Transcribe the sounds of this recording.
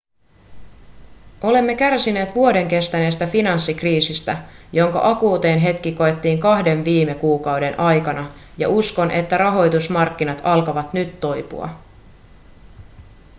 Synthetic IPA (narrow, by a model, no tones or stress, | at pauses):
o̞le̞mːe̞kærsine̞ːt̪ʋuo̞de̞ŋke̞st̪æne̞ːst̪æfinɑnsːikriːsist̪æjo̞ŋkɑ̰ʔɑkuːt̪e̞ːnɦe̞t̪k̟iko̞e̞t̪ːiːŋkɑhde̞ɱʋiːme̞kuːkɑwde̞nʔɑjkɑnɑ | jɑ̰ʔusko̞nʔe̞t̪ːæɾɑɦo̞jt̪usmɑrkːinɑt̪ɑlkɑʋɑt̪nyt̪ːo̞jpṵɑ̰